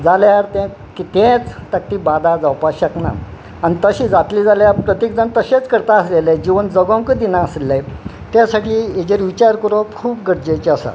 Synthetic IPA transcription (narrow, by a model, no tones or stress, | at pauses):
d͡zaljaɾt̪ɛ̃ | kit̪ẽt͡st̪ak̚ʈ̪ibad̪ad͡zawpaɕəkna̰ | anit̪əɕiːd͡zat̪liːd͡zaljaɾpɾət̪jek̚d͡zant̪əɕẽt͡skəɾt̪aəslelajd͡ʑiʋənd͡zəɡãŋkəd̪inaəslelaj | t̪jasaʈiːed͡ʑeɾʋit͡ɕaɾkəɾõkʰuːp̚ɡəɾd͡ʑejt͡ɕeasa̰